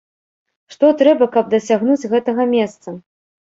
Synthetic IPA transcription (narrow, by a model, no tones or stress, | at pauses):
ʂt̪ɔt̪ɾɛbɐkɐb̚d̪ɐsʲaɣnud͡zʲɣɛt̪ɐɣɐmʲɛst̪sɐ